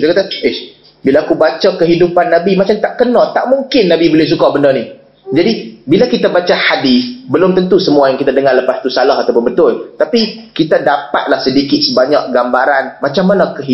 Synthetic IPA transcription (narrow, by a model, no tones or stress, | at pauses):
kit̪akat̪aʔe | bilaːkubat͡ʃakəɦidupanːabimat͡ʃamt̪aʔkənɔt̪aʔmuŋkɪnːabibolɪhs̬ukaʔbəndəni | d͡ʒadibilakit̪abat͡ʃahadisbəlʊmt̪ənt̪usəmuajaŋkit̪adəŋarləpast̪usalaɦat̪awp̬ʊnbət̪ʊlt̪apikit̪adapat̪̚lahsədikɪt̪̚səbaɲaʔɡambaɾanmat͡ʃamːanakəɦi